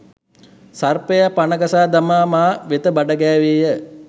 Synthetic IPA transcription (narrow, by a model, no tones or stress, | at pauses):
sarpejapanəɡasaːd̪amaːmaːʋet̪əbaɖəɡɛːʋeːjə